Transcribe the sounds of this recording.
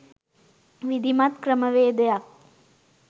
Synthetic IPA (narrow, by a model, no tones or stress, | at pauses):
ʋid̪ʱimɐt̪kɾəmɐʋeːd̪ɐjak̚